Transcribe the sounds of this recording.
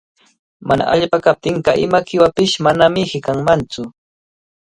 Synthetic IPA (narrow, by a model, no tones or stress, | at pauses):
mana̰ʔaʎpakap̚t̪ɪɴɢɑʔɪmakɪwapɪʃmanamɪhɪkaŋmant͡sʊ